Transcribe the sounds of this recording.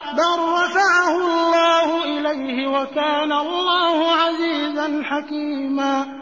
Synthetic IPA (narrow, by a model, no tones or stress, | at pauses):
d̪ɑrˤːɑfaʕahʊɑlˤːɑːhʊʔɪlajhɪwakaːnaɑlˤːaːhʊʕaziːzanħakiːmaː